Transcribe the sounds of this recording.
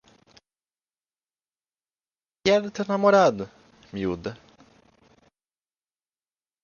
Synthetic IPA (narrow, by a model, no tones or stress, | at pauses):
kɛɾʊt̪eɾnamoɾad̪ʊ | miud̪ɐ